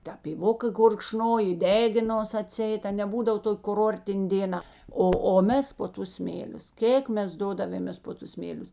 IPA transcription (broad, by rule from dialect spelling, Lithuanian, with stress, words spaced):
tʲɛ pʲiːˈʋoːkɐ ɡʊrkˈʃnoːj ɪ ˈdʲæːɡʲɪnoːs ɐˈtʲsʲiɛɪt ɐ nʲɛ ˈbuːdɐw ˈtoːkʲ kʊˈroːrʲtʲɪnʲ dʲeːˈnɐ ˈoː oː ˈmʲɛs poː ˈtʊs ˈsʲmʲeːlʲʊs ˈkʲeːk ˈmʲɛs ˈdoːdɐʋʲeːmʲeːs ˈpoː ˌtʊs ˈsʲmʲeːlʲʊs